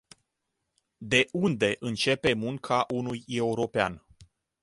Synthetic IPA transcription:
d̪e̞ʔund̪e̞ʔɨnt͡ʃe̞pe̞muŋkʰaʔunuje̞uɾo̞pea̰n

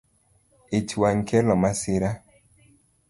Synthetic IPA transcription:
it͡ʃwaŋkʰɛlɔmasɪɾa

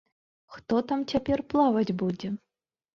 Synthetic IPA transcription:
xt̪ɔt̪amt͡sʲapʲɛrplˠavɐd͡zʲbud͡zʲɛ

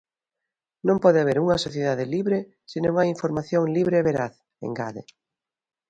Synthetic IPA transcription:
nõmpɔðeaβ̞eɾuŋɐsoθjeðaðɪliβɾe | sinoŋaiɱfoɾmaθjoŋliβɾeːβeɾaθ | ḛŋɡa̰ðḛ

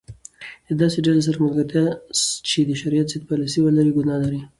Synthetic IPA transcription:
d̪əd̪ɑseɖales̬aɾamalɡaɾt̪ast͡ʃed̪əʃaɾijat̪set̪̚pɑlasiwəlaɾiɡʊnɑlaɾi

